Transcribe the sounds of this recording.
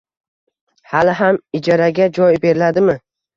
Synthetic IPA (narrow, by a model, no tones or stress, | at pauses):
halɪɦamɪd͡ʒaɾaɡʲad͡ʒɒjbe̞ɾɪlad̪ɪmɪ